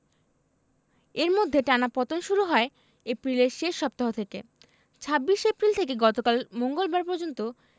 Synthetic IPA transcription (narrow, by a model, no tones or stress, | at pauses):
eɾmod̪ʱːeʈanapɔt̪onʃuɾuɦɔe | epɾileɾʃeʃːɔp̚t̪aɦot̪ʰekḛ | t͡ɕʰabːiʃepɾilt̪ʰekeɡɔt̪okalmoŋɡolbaɾpɔɾd͡ʑont̪o